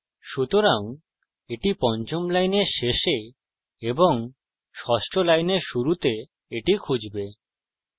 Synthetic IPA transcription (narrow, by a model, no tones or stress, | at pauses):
ʃut̪oɾaŋ | eʈipɔnt͡ɕomlajneɾʃeʃe | eboŋ | ʃɔʃʈʰolajneɾʃuɾut̪e | eʈikʰud͡ʑbe